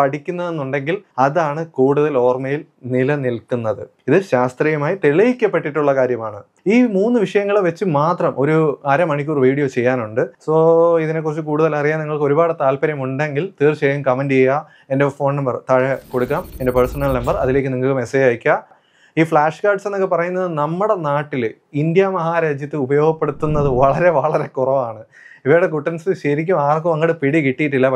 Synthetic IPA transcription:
pɐʈikʲːunːɐðe̞nːuɳɖe̞ŋɡilɐðaːɳɨkuːɽuðɐlo̞ːrmɐjil | nilɐnilkːunːɐðɨiðɨɕaːst̪riːjɐmaːjit̪iɭɐjikʲːɐpːe̞ʈːiʈːuɭːɐkaːɾjɐmaːɳɨ | iːmuːnːɨʋiʂɐjɐŋːɐɭeʋet͡ɕːɨmaːt̪rɐmʔo̞ɾuɐɾɐmɐɳikʲːuːrʋiːɽijoːt͡ɕe̞jːaːnuɳɖɨsoːiðine̞k̬ːurɐt͡ɕːɨkuːɽuðɐlɐrijːaːniŋːɐɭkɨo̞ɾubaːɽɨt̪aːlpɐɾjɐmuɳɖe̞ŋɡilt̪iːrt͡ɕejɐmkɐmɐnd͡ʑejːa | e̞nde̞fo̞ːnnɐmbɐrt̪ɐɻɐɐko̞ɽukːaːme̞nde̞persɐnɐlnɐmbɐrɐ̰ðile̞ːk̬ʲːɨniŋːɐkːumesejaːjkʲːɐ | iːfɭaːʂkaːrʈsenːokːepɐrɐjunːɐðɨnɐmːuɽe̞naːʈːil | ind̪jɐmɐɦaːɾaːd͡ʑjɐt̪ːɨubɐjo̞ːɡɐpːe̞ɽut̪ːunːɐðɨʋɐɭɐɾe̞ʋɐɭɐɾe̞kurɐʋaːɳɨ | iʋejɽek̬uʈːɐnsɕɐɾik̬ʲːumaːrkːɨʋɐŋːɡɐɽɨpiɽikiʈːijiʈːilːɐp

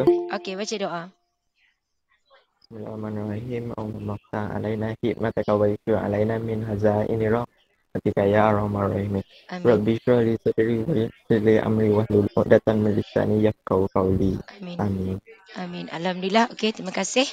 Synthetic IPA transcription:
okebat͡ʃadoʔa | smula̰manrɔɦima̰mamaft̪aŋa̰lainahit̪̚mat̪akawbaliʃiɾaŋa̰lainaminɦazaʔḭniɾɔʔ̚ | mat̪ikajaaɾamanrɔhimi | ɾɔbiʃɾɔlisədiɾiwasəiliʔa̰mɾiwahluludat̪aŋmilisa̰nijakawkawliaaminaminalhamdulahoket̪imakasɪh

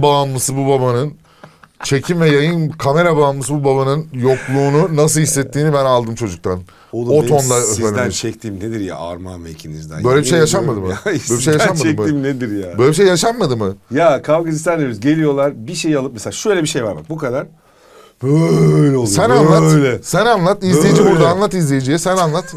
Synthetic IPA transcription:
baːnmɯsɯbubabanɯn | t͡ʃʰe̞cʰimvɛjajɯnkʰame̞ɾabaːnmɯsɯbubaβanɯnjo̞klˠuːnunas̬ɯlˠhisːɛt̪ʰːiːnibænalˠd̪ɯmt͡ʃʰo̞d͡ʒuk̚t̪ʰan | oot̪ʰond̪ˠaøsfænʲnt͡ʃʰɛk̚t̪ʰiːmned̪iɾja̰a̰ɾmanvɛicʰinizd̪æ̰nbø̞jlʲɛbiʃejjaʃanmad̪ɯmɯbølɛbiʃejjaʃamad̪mɯiːmned̪iɾjaøjlʲebiʃejaʃanmad̪ɯmɯjakʰavɡazist̪anːebizɟe̞lʲijo̞lˠaɾbiʃejialˠɯp̚mselaːʃø̞jlʲɛbiʃe̞jvaɾma̰k̚bukad̪aɾ̥ | bøjlʲɛolˠsænanˠalʲɛsænanlˠat̪izlʲejid͡ʒibuɾd̪aːnlˠat̪izlʲejid͡ʒijɛsænanlˠat̪

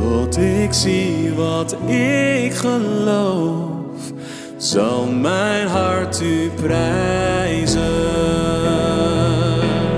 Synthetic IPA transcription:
ɔtɪksiʋɑtɪkχəlow | f | zɑlˠmɛjnɦɑɹtyprɛjzə

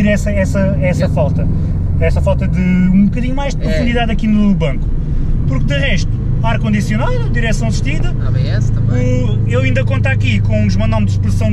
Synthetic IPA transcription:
iɾɛsɐɛsɐ | ɛsɐfalˠt̪ɐ | ɛsɐfalˠt̪ɐðɨũbukɐðiɲumajʒd̪pɾufũd̪iðaðɐkinuβɐ̃ŋku̥ | puɾk̚d̪ɨʁɛʃt̪u̥ | aɾkõnd̪isjunalˠ | d̪iɾɛsɐ̃w̃sʃt̪iðɐaβɐ̃j̃ɛst̪ɐ | u | ewĩnd̪ɐkõnt̪akikõũʒmɐ̃nd̪ɔmd̪ʃpɾɨsɐ̃w̃

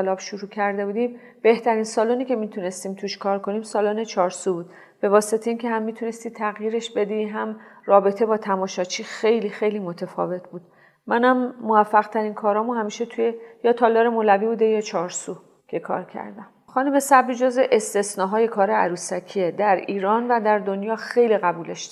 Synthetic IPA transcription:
elɒːbʃuɾuːcʰæɾd̪e̞buːd̪iːm | b̥e̞ht̪ʰæɾiːnsɒːluniːcʰe̞miːt̪ʰune̞st̪iːmt̪ʰuʃkʰɒːɾko̞niːmsɒːloːnet͡ʃʰɒːɾsubuːd̪̥ | b̥e̞vɒːset̪ʰeiːncʰe̞hæmːit̪ʰune̞st̪it̪ʰæɣjiːɾe̞ʃbe̞d̪iɦæmrɒːbe̞t̪ʰe̞bɒːt̪ʰæmɒːʃɒt͡ʃʰiːxe̞jliːxejliːmot̪ʰefɒ̰ːve̞t̪ʰbuːd̪ | mænæmːovæfːæɣt̪ʰæɾiːnkʰɒːɾɒːmuhæmiːʃe̞t̪ʰujejɒːt̪ʰɒːlɒːɾe̞molæviːbuːd̪e̞jɒːt͡ʃʰɒːɾsuː | cʰe̞kʰɒ̰ːɾcʰæ̰ɾd̪æm | xɒːnume̞sæbɾiːd͡ʒozeʔest̪e̞snɒːɦɒːje̞kʰɒːɾeæɾuːsæcʰied̪æɾiːɾɒːnvæd̪æɾd̪onjɒːxejliɣæbuːleʃ

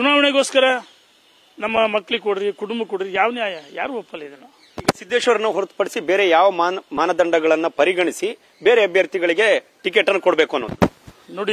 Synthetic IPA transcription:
t͡ʃunaːʋɐɳeɡoːskɐɾɐ | nɐmːɐmɐkːɭikoɽiɾikuʈumbɐkoɽiɾijaːʋɐnjaːjɐja̰ːɾuʋɔpːɐlid̪ɐlɐ | iːɡɐsid̪ːeːʂʋɐɾɐnːuɦoɾut̪u̥pɐɽisibe̞ːɾejaːʋɐmamaːnɐd̪ɐɳɖɐɡɐɭɐnːupɐɾiɡɐɳisi | be̞ːɾeɐbʱjɐɾt̪iɡɐɭiɡe̞ | ʈikeːʈːɐnːukoɽɐbe̞ːkuɐnːo̰ːd̪unoːɽi

